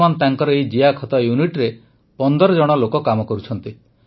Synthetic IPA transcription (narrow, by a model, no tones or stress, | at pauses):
manɔt̪aŋkɔɾɔejd͡ʒiakʰɔt̪ɔjuniʈɾe | pɔnd̪ɔɾɔd͡ʒɔɽ̃ɔlokɔkamɔkɔɾut͡ʃʰɔnt̪i